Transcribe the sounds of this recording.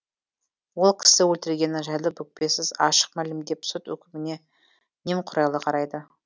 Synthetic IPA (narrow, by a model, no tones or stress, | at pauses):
wo̞lˠkʲʰɪ̥sɪwɵlt̪ɪɾɡʲe̞nɪʒɑjlˠəpɵk̚pe̞sɪzɑʃə̥q̚mælɪmd̪e̞psʊt̪wɵ̰kʲɪmɪne̞ | nemqʰʊɾɑjlˠəqʰɑɾɑjd̪ə